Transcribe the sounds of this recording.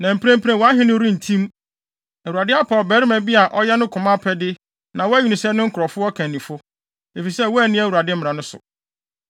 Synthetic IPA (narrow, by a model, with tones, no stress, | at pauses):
nã˨m̩˨pʰɾæ̃˦m˦pʰɾæ̃˨wɔ˨a˦ɦɪ̃˦nʊ̃˦ɾĩ˦n̩˨tʰĩ˦m | æ˨wu˨ɾa˨dɪ˦a˦pʰa˨ɔ˨bæː˨˦ɾɪ˦mæ˨bi˦a˨ʔɔ˦jɛ˦nʊ̃˦kʰʊ̃˨mã˦pʰɛ˦dɪ˦ | nã˨wɔ˦æ˦ɲi˨nɪ̃˨sɛ˦nʊ̃˦ŋ̩˦kʰʊ˨ɾɔ˨fʊ˦ɔ˦kʰæ̃˨nːĩ˨fʊ˦ | e˨fi˨sɛ˦˨wɔ˦æ˨nɪ̃˦æ˦˨wu˨ɾa˨dɪ˦m̩˦m̃˨ã˨nʊ̃˦sʊ̰˨